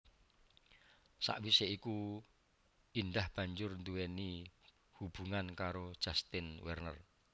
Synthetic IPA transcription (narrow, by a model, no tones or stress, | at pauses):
sa̰ʔwiseiku | indahb̥a̤ɲd͡ʒʊrnd̪uweni | hub̥uŋankaɾo̥ʒ̥a̤st̪ɪnwɛrnə̰r